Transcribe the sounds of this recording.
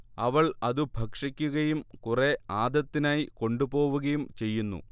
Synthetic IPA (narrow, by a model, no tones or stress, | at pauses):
ɐʋɐɭɐðubʱɐkʂikʲːuɣɐjumkure̞aːd̪ɐt̪ːinaːjiko̞ɳɖupo̞ːʋuɣɐjumt͡ɕe̞jːunːṵ